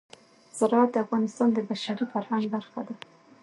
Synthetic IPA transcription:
saɾɑat̪̚d̪əafɣɑnɪst̪ɑnd̪əb̪aʃaɾufaɾhaŋɡbaɾxad̪a

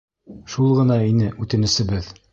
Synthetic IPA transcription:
ʃulˠʁɤ̆nɑinɘʔʉt̪ɘ̆nɘ̆sɘ̆bɘð

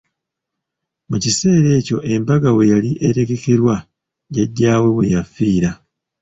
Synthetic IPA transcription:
mucise̞ːɾe̞ːco̞ʔe̞mbaɡawe̞jaliʔe̞te̞ɡe̞ke̞ɾwa | ɟaɟːaːwe̞we̞jafiːɾa

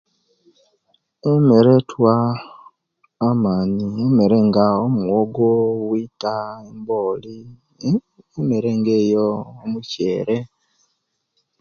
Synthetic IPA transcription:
emeɾetʰwa | maɲiemeɾeŋɡaomuoɡoβwitaemboli | emeɾe̞ŋɡeːjoːmuceːɾe

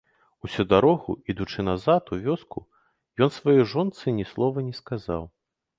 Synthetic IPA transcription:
usʲud̪aɾɔɣuid̪ut͡ʂɨnazat̪uvʲɔsku | jɔnsvajɔjʐɔnt̪sɨnʲɛslˠɔvɐnʲɛskaza̰w

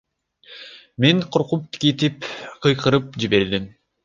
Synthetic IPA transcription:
meŋqʰoɾqup̚t̪ʰi̥kit̪ipqʰɯjqɯɾɯp̚d͡ʒibe̞ɾd̪im

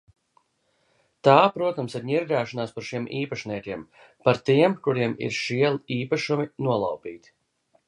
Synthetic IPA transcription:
t̪aːpɾuɔt̪amsiɾɲiɾɡaːʃanaːspaɾʃiɛmʔiːpaʃniɛkʲiɛm | paɾt̪iɛmkuɾiɛmḭɾʃiɛlˠiiːpaʃuminuɔlˠa̰wpiːt̪

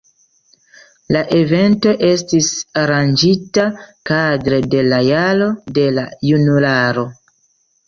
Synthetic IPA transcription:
laʔe̞ve̞nto̞ʔe̞stisaɾand͡ʒitakadɾe̞de̞lajalo̞de̞lajunulaɾo̞

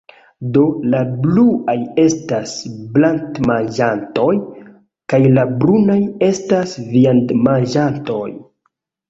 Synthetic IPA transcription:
do̞labluaje̞stasblantmanʒanto̞j | kajlabɾunaje̞stasviandmanʒanto̞j

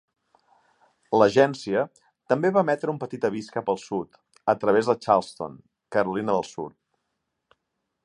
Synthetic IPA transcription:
ləʒɛnsiə | t̪əmbeβamɛt̪ɾəumpət̪it̪əβiskəpəlˠsut̪ | ət̪ɾəβezðət͡ʃalˠst̪o̰n | kəɾulinəðəlˠsṵt̪̚

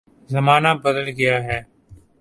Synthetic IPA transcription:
zəmaːnaːbəd̪əlɡəjaːɦɛː

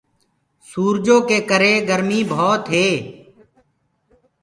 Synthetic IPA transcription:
suːɾd͡ʒõːkeːkəɾeːɡəɾmiːbʱɔːt̪ɦeː

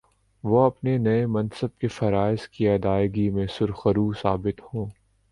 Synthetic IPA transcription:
ʋoɐpnenɐemɐ̃nsəb̚kefɐɾaːɪskiɐd̪aːɪɡimẽsʊɾxəɾuːsaːbɪt̪hõː

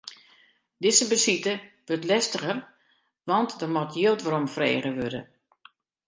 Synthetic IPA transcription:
dɪzəbəsitəʋøtlɛstəɣər | ʋɔntdərmɔtʰjiəlˠtʋəɾɔmfrḛːɣəʋødə̰

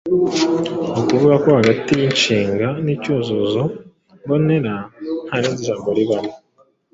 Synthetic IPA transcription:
nituβuɡakohaɡatiɾiɲt͡ʃiːŋɡanicuːnzuzo | ŋbo̞ne̞ɾan̥haːneːnziʒaːmɡo̞ɾiβano

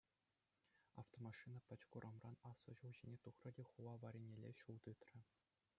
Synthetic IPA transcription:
ɑ̰ft̪omɑʂɨnɑpʲɘ̆t͡ɕkuɾʔɑmrʔɑnɑsːɤ̆ʑulʑinʲet̪uχrɤ̆dʲeχuʋɑʋɑɾʲenʲelʲːeɕulˠt̪ɯt̪rʲɘ̆

